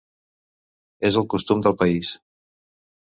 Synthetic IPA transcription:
ezəlˠkust̪umd̪əlˠpəis

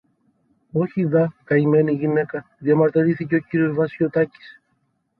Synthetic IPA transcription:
oçiðɐkɐime̞niʝine̞kɐðjɐmɐɾt̪iɾiθiceo̞ciɾio̞zvɐsot̪ɐci̥s

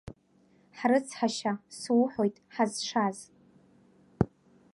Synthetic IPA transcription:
ħrɨt͡sʰħaʃaswħo̞jtʼħazʂaz

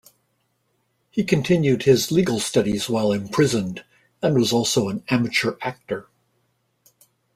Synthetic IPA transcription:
hikʰɨ̃ntʰɪ̃njʉd̚ɪzliɡl̩ˠstʌɾizwaɪlˠɨ̃mpʰɹ̥ɪzɨ̃nd | ɨ̃nwʌzɔlˠsoʊə̃næmɨt͡ʃə˞ʔæk̚tə˞

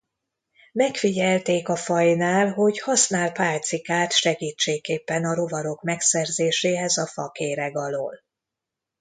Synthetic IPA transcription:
mɛkfiɟɛlt̪eːkɒfɒjnaːlɦo̞ɟhɒsnaːlpaːlt̪sikaːt̪ʃɛɡiːt͡ʃːeːkːeːpːɛnɒɾo̞vɒɾo̞kmɛksɛrzeːʃeːɦɛzɒfɒ̰keːɾɛɡɒlo̰ːl

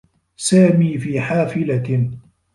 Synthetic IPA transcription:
saːmiːfiːħaːfɪla

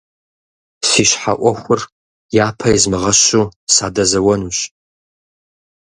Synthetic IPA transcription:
siːɕħa̰ʔʷɔxʷʊr | jaːpʰɐjizmɨʁɐɕuːsaːdɐzɐwɐnuːɕ

